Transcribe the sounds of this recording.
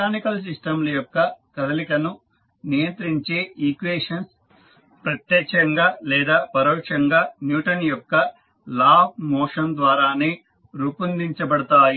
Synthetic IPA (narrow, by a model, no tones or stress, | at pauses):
aːnikɐls̬isʈɐmlɐjɔkːɐkɐd̪ɐlikɐnu | nijɐnt̪ɾiɲt͡ʃeːiːkʋeːʂɐns | pɾɐt̪jɛːkt͡ʃɐŋɡaːlɛːd̪aːpɐɾɔːkʂɐŋɡaːnjuːʈɐnjɔkːɐ | laːp̚ʰmɔːʂɐnd̪ʋaːɾaːneː | ɾuːpɐnd̪iɲt͡ʃɐbɐɽɐt̪aːji